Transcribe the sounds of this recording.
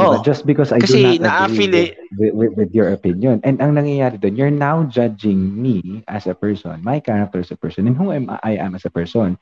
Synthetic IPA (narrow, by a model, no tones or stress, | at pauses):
ʔod͡ʒɐst̪̚bɪkɔsajkɐdunat̪ɐʔɡaifiliwɪwɪwɪðjɔɹopɪ̃njɔ̃nʔɛnd̪ɐŋnɐŋjɐjaːɾɛd̪onjɔɹnawd͡ʒad͡ʒɪ̃ŋmiʔɐsɐpɛɹsɔ̰̃nmajkaɹɐk̚t̪ɛɹɐsɐpɛɹsɔ̃nɛ̃nɦʊŋamʔa̰jʔɐ̰̃mɐsɐpɛɹsɔ̃n